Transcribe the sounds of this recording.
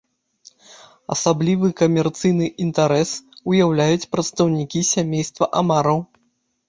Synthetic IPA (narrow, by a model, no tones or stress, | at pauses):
ɐ̰sablʲivɨkɐmʲɛrt̪sɨjnɨʔint̪aɾɛsujawlʲajut͡sʲpɾɐt̪st̪ɐwnʲikʲisʲamʲejst̪vɐʔamaɾɐw